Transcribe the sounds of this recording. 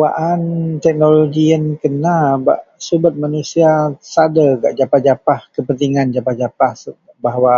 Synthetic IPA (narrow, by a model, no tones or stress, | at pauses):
waʔant̪ɛk̚noloɡiənkənaba̰ʔsubət̪̚manusiasadaɡaʔd͡ʒapahd͡ʒapahkəpənt̪iŋand͡ʒapahd͡ʒapah | baɦwa